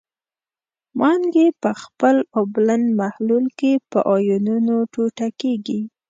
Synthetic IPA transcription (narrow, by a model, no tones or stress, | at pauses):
mɑŋɡepəxpəloblanmahlulkepəʔɑjununoʈoʈakeɡi